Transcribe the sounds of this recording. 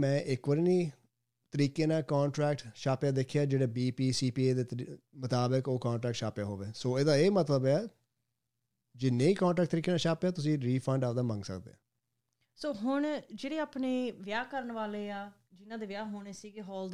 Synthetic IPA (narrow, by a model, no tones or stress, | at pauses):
mɛ̃ːʔɪkʋəɾiːnĩː | t̪əɾiːkeːnãːkaːɳʈɾɛːk̚ʈʃaːpjaːd̪eːkʰejaːd͡ʒeːɽeːbiːpiːsiːpiːeːd̪eːmət̪aːbəkoːkãːɳʈɾɛːkʈʃaːpjaːɦoːʋeːsoːeːd̪aːeːmət̪ləbɛː | d͡ʒɪnːẽːiːkãːɳʈɾɛːk̚ʈ̚t̪əɾiːkeːnãːʃaːpejaːt̪ʊs̬ĩːɾiːpʰəɳɖaːd̪aːmə̃ŋɡsə̰kd̪ḛːãː | soːɦʊɳd͡ʒeːɽeːaːpneːʋjaːkəɾəɳʋaːleːaː | d͡ʒɪnãːd̪eːʋjaːɦoːɳeːsiːɡeːɦɔːld̪